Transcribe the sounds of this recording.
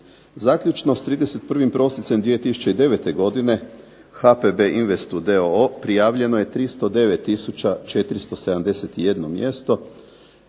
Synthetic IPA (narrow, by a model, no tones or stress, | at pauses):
zaːkʎʲut͡ʃno̞st̪ɾiːd̪eset̪̚pr̩ʋimpɾo̞sisemd̪ʋijet̪isu̥t͡ʃe̞id̪e̞ʋe̞t̪e̞ɡo̞d̪ine̞ | xapebeʔinʋe̞st̪ud̪eoopɾijaːʋʎe̞noje̞t̪ɾist̪o̞d̪e̞ʋet̪ːisut͡ʃat͡ʃe̞t̪ɾist̪o̞se̞d̪amd̪e̞set̪ije̞d̪no̞mje̞st̪o̞